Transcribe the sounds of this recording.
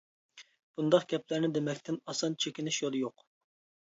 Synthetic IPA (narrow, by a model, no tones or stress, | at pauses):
b̥und̪ɑqɡ̥ʲɛplæɾnɪd̪emɛkʲt̪ʰɪnɑsɑnt͡ʃʰekʲinɪʃjolˠjoq